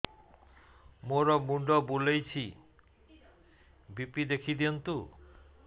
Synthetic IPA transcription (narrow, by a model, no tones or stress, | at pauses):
moɾɔmuɳɖɔbulejt͡ɕʰi | bipid̪ekʰid̪iont̪u